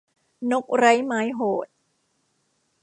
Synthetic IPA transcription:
no˦˥k̚ɾa˦˥jmaː˦˥jɦoː˨˩t̪̚

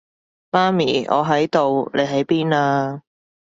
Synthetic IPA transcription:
maː˥miː˨˩ɔ̰ː˨˧ɦɐ˨˥jt̪o˨wle˨˧jɦɐ˨˥jpiː˥naː˧

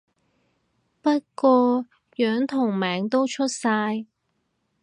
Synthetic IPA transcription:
pɐ˥t̚kɔː˧ | jœː˨˥ŋt̪ʰʊ˨˩ŋmɛː˨ŋt̪o˥wt͡ʃʰɵ˥t̚saː˧j

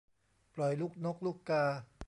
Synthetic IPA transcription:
plɔ˨˩jluː˦˥˩k̚no˦˥k̚luː˥˩kːaː˧

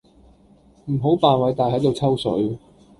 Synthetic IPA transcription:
m̩˨˩ɦo˨˥wpaː˨nwɐ˨˥jt̪aː˨jɦɐ˨˥jt̪o˨wt͡sʰɐ˥wsɵ̰˨˥ɥ

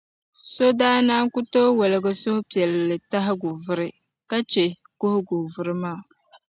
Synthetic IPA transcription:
so˦daː˦naː˦ŋku˦toː˦wɛ˨lɪ˨ɡɨ˦sʊ˦hʊ˦pi˨ɛ˨llɨ˨ta˦ɦɪ˦ɡʊ˨vʊ˦ɾɪ˦ | ka˦t͡ʃe˨ | kʊ˦hʊ˦ɡʊ˨vʊ˦ɾɨ˦maː˦˨

